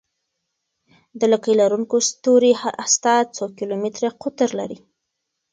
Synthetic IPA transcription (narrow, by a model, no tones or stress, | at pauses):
d̪əlakəjlaɾuŋkost̪oɾihaast̪ɑt͡sokɪlomɪt̪ɾeqʊt̪ɾlaɾi